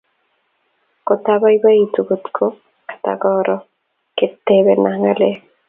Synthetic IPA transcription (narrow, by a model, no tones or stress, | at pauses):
kot̪abajbait̪uɡot̪kʰo | kḁt̪a̰ɡɔɾɔ | ket̪ːebenaŋale